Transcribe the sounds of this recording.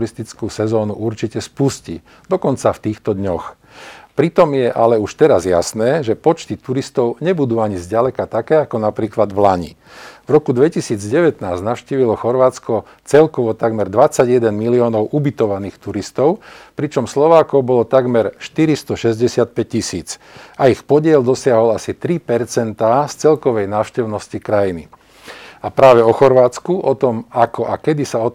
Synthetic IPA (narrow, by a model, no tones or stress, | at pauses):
ɾist̪it͡skuːsɛzɔːnuʔuɾt͡ʃicɛspuscḭ | d̪ɔkɔnt͡saft̪iːxt̪ɔd̪ɲɔx | pɾit̪ɔmjɛʔalɛuʃt̪ɛɾazja̰snɛːʒɛpɔt͡ʃt̪it̪uɾist̪ɔʊɲɛbud̪uːaɲizɟalɛkat̪akɛːakɔnapɾiːklad̪vlaɲḭ | vɾɔkud̪ʋɛcisiːd͡zɟɛʋɛt̪naːznaʊʃciːʋilɔxɔɾʋaːt͡skɔ | t͡sɛlkɔʋɔt̪aɡmɛɾd̪ʋat͡saɟjɛd̪ɛnmiliɔːnɔʊʔubit̪ɔʋaniːxt̪uɾist̪ɔʊpɾit͡ʃɔmslɔʋaːkɔʊbɔlɔt̪aɡmɛɾʃt̪iɾist̪ɔʃɛzɟɛsɪat̪̚pɛc̚cːisiːt͡s | aixpɔɟɪɛld̪ɔsɪaɦɔlasit̪ɾipɛɾt͡sɛnt̪aːst͡sɛlkɔʋɛjnaːʃcɛʊnɔscikɾajini | apɾaːʋɛɔxɔɾʋaːt͡skuʔɔt̪ɔmakɔʔakɛd̪isaɔ